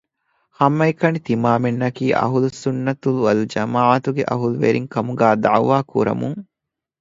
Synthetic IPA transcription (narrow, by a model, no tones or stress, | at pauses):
hɐmːɐikɐnit̪imaːmenːɐkiːʔɐ̰ɦulusunːɐt̪uluɐld͡ʒɐmaːʕat̪uɡeʔɐ̰ɦuluʋḛɾiŋkɐmuɡaːd̪aʕʋaːkuɾɐ̰muŋ